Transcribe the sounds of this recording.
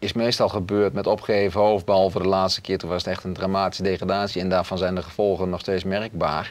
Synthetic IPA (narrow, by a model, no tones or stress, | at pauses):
ɪsmejstɑlˠχəbøːɹtmɛtɔpχeːvəofbɛɔlˠvədəlaːtstə̥kɪːtunʋɑsətɛχtəndramaːti̥sədeχradaːsjiɛndaːɹvɑnzɛjndəχəv̥ɔlˠχənɔχsteːsmɛrɡ̚ba̰ːɹ